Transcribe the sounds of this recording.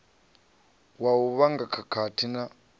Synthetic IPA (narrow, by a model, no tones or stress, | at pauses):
wauβaŋɡakʰakʰatʰina